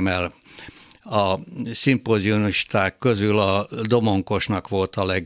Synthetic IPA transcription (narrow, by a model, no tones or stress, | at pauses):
mɛl | ɒsimpoziuniʃt̪aːkːø̞zylɒd̪o̞mo̞ŋko̞ʃnɒkʋo̞lt̪ɒlɛɡ